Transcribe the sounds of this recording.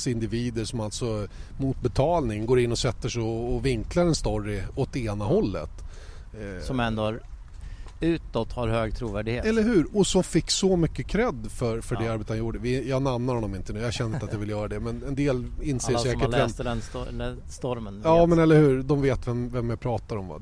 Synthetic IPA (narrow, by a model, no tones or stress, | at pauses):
sɪnd̪ɪviːd̪əʂɔmalt̪sɔmut̪̚bɛt̪ʰɑːlnɪŋɡoːɾɪnːɔsɛt̪ːəʂɛɔːvɪŋklaɾɛnst̪ɔɾːɪɔt̪ːeːnaɦɔlːə̰t̪ | sɔmɛnd̪oɾ | ʉ̟ːt̪ɔt̪ːhaɾhøːɡ̚t̪ʰɾuːvæɖɪɡheːɛlːəɾɦʉ̟ːɾɔsɔmfɪkːsɔmʏkːəkʰɾɛd̪ːfœɾfœdɖɛaɾbeːt̪aanjuːɖəvɪjɑːnamnaɾhɔnɔmɪnt̪ənʉːjaɕɛnːəɪnat̪javɪljœːɾad̪ɛmɛnɛnd̪eːlɪnːseːʂɛːkəɛɛnlː | st̪ɔɾmənjɑːmɛnɛlːəɾhʉ̟ːɾd̪ɔmveːt̪vɛmvɛmjapʰɾɑːt̪aɾɔmva̰